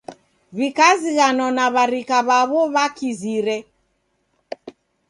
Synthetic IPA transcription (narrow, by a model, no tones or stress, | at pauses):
βikaziɣanɔnaβaɾikaβaβɔβakiziɾɛ